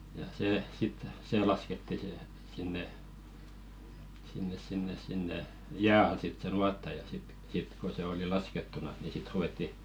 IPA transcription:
jɑ seː sit seː lɑsketːi se sinːe sinːes sinːes sinːe jæː ɑl sit se nuɑtːɑ jɑ sit sit ko se oli lɑsketːunɑs ni sit ruw̆etːi

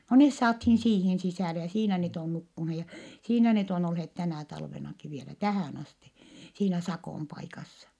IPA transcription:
no nes sɑːthiːn siːhin sisæˑle jɑ siːnæ net on nukːunhe jɑ siːnæ net on olhet tænæˑ tɑlʋenɑki ʋielæ tæhæˑn ɑsti siːnæ sɑkoˑm pɑikɑsːɑ

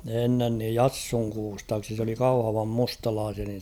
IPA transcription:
enːen niːj jɑsːuŋ kuːstɑːksi s oli kɑuhɑʋɑm mustɑlɑːsiɑ nin̞

